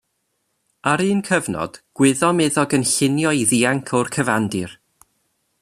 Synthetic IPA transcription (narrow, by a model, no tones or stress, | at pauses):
aɾɨːnkʰəvnɔ̰d̥ɡ̥wɪðɔmeðɔɡənɬɪnjɔiðiaŋkʰɔrkʰəvandɨr